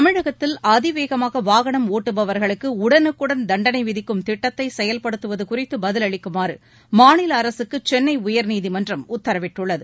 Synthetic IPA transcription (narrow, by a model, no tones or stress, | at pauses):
t̪ɐmɪɻɐɣɐt̪ːɪlɐðɪʋeːɣɐmaːɣɐʋaːɣɐɳɐmoːʈːɯbɐʋɐɾɣɐɭɯkːɯʊɽɐnɯkːɯɽɐnd̪ɐɳɖɐnɐɪʋɪðɪkːɯmt̪ɪʈːɐt̪ːɐɪsɛjɐlpɐɽɯt̪ːɯʋɐðɯkʊrɪt̪ːɯbɐðɪlɐɭɪkːɯmaːɾɯ | maːnɪlɐːɾɐsɯkːɯt͡ʃɛnːɐɪʊjɐɾniːðimɐndrɐmʊt̪ːɐɾɐʋɪʈːɯɭːɐðɯ